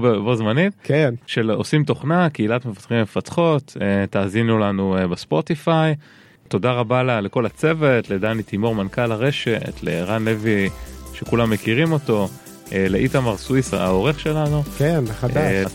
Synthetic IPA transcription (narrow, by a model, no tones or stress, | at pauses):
bbozmanimkenʃelosimt̪o̞χnakeilat̪mefḁt̪χimme̞fat̪χo̞t̪etaːzinulanubespo̞t̪ifaj | to̞daʁabalaleko̞lat͡se̞ve̞tledanit̪imo̞ʁmankalaʁe̞ʃe̞tlḛʁanleviʃe̞kulamːekiʁimo̞to̞ | eleʔitamaʁswisa̰o̞ʁe̞χʃe̞lanukenχada